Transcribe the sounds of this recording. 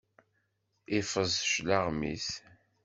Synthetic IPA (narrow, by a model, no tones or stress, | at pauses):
ifəzʃlaʁmḭs